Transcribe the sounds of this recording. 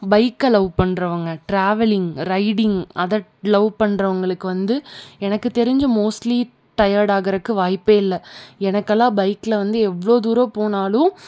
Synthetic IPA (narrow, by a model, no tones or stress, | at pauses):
bɐɪkːɐlɐʊpɐɳːɾɐʋɐŋɡɐʈɾaːʋɛlɪŋɡɾɐɪɽɪŋɡɐðɐlɐʊpɐɳːɾɐʋɐŋɡɐɭɯkːɯʋɐnd̪ɯɛnɐkːɯt̪ɛɾɪɲd͡ʒɯmoːsʈli | ʈɐjaːɾɽaːɣɪɾɐkːɯʋaːjpːeːɪlːɐɛnɐkːɐlːãːbɐɪkːlɐʋɐnd̪ɯɛʋːɐɭoːd̪uːɾoːpoːnaːlʊ̃